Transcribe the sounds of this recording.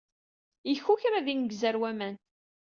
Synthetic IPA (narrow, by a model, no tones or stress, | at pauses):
jəçːuçɾæðinəɡzəɾwæmæn